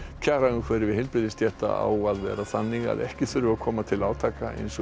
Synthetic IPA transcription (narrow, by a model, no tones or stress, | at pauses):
cʰaːɾaʏmkʰvɛːɾɪɾvɪðhɪlpɾɪðɪst̪jɛht̪a̰a̰waðvɛ̰ːɾaθanːiɣa̰ðɛhcɪθʏɾʏvakʰɔːmat̪ʰɪlaːwt̪ʰaːkaḛjnsɔ